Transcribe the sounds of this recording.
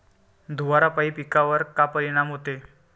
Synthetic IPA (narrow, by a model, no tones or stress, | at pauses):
d̪ʱuʋaɾapaipikaʋəɾkapəɾiɽ̃amɦot̪e